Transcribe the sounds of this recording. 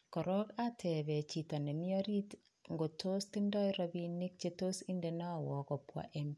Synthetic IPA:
kɔ˨ɾɔ˦katʰɛ˨βɛ˨t͡ʃi˨ta˨ne˨mi˦ɔ˦ɾi˦t | ŋɡo˨to˦stɪ˦ndɔ˦jɾabinːɪk̚t͡ʃe˦to˦sɪ˦nde˨na˦˨wɔ˨kɔ˨pwa̰ʔɛm

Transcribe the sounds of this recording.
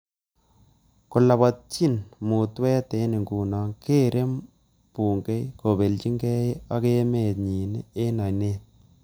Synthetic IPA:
kʊ˨la˨ba˨t̚t͡ʃi˦nmu˨twɛ˦te˨˦nɪ˨ŋɡuː˨nɔ˨ŋke˦ɾʔe˦m | puː˨ŋɡe˦jko˨be˨lt͡ʃi˦ŋɡɛ˦ja˦ke˦me˨t̪̚ɲi˨ne˦e˦na˨ne˦t̪̚

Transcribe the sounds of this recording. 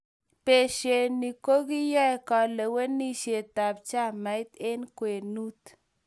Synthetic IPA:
pe˨ʃe˨ni˨ko˦ɡi˦jɔ˦ɛ˨kɔ˨lɛ˨we˦ni˦ʃe˨ta˨p̚t͡ʃa˦˨ma˨ɪ˦t̪e˦nkwe˨nu˦t̪

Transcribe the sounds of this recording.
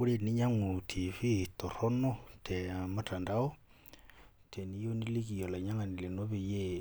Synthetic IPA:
u˦ɾe˨ni˦ɲa˦ŋo˨tʰi˨βi˦to˨ɾo˦no˦te˨ma˦ta˨nda˦o˦ | tʰe˨ni˦jo˦ni˦li˦ki˨jo˨la˨ɲa˦ŋa˨ni˨le˨no˦βe˨je˦

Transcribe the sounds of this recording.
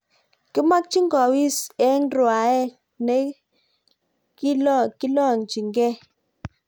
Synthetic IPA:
ki˦ma˦k̚t͡ʃi˦ŋɡɔ˨wi˦sɛ˨˦nɾwa˨ɛ˦ | ne˦ | ki˦ki˦lɔ˦˨ŋt͡ʃi˨ŋɡɛ˦

